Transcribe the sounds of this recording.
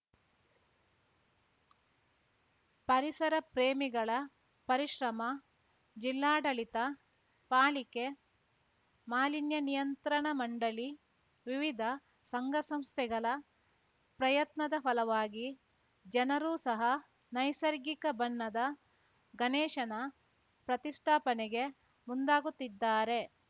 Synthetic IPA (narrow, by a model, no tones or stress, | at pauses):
pɐɾisɐɾɐpɾeːmiɡɐɭɐ | pɐɾiʃɾɐmɐ | d͡ʒilːaːɖɐlit̪ɐ | paːɭike | maːlinjɐnijɐnt̪ɾɐɳɐmɐɳɖɐli | ʋiʋid̪ʱɐ | sɐŋɡɐsɐmst̪ʰɛɡɐɭɐ | pɾɐjɐt̪nɐd̪ɐfɐlɐʋaːɡi | d͡ʒɐnɐɾuːsɐɦɐ | nɐjsɐɾɡikɐbɐnːɐd̪ɐ | ɡɐnɛːʃɐnɐ | pɾɐt̪isʈʰaːpɐnɛɡe̞ | mund̪aːɡut̪ːid̪ːaːɾe̞